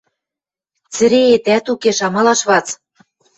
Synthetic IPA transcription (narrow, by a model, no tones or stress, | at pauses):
t͡sɘ̆ɾeet̪æt̪ukeʃɑmɑlɑʃβɑt͡s